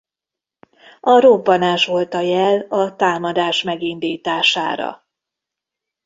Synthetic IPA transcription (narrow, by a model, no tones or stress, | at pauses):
ɒɾobːɒnaːʃʋo̞lt̪ɒjɛlɒt̪aːmɒd̪aːʃmɛɡind̪iːt̪aːʃa̰ːɾɒ̰